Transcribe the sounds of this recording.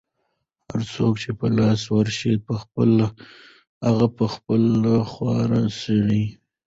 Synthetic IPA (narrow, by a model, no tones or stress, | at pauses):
ha̰ɾt͡sokt͡ʃepəlɑswəɾʃipəxpəla | haɣapəxpəlaxwɑɾasəɽi